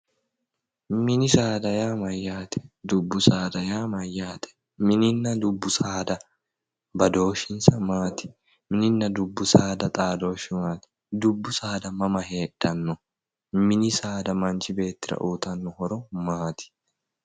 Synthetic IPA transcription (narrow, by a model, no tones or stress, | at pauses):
mɪnɪsaːd̪ɐjaːmɐjːaːt̪ɛ̥d̪ʊbːʊsaːd̪ɐjaːmɐjːaːt̪ɛ̥ | mɪnɪnːɐd̪ʊbːʊsaːd̪ɐ | bɐd̪o̞ːʃɪnsɐmaːt̪ɪ̥ | mɪnɪnːɐd̪ʊbːʊsaːd̪ɐt̪ʼaːd̪o̞ːʃɪmaːt̪ɪ̥ | d̪ʊbːʊsaːd̪ɐmɐmɐɦe̞ːᶑɐnːɔ | mɪnɪsaːd̪ɐmɐnt͡ʃɪbe̞ːt̪ːɪɾɐ̰ʔuːt̪ɐnːɔhɔɾɔmaːt̪ɪ̥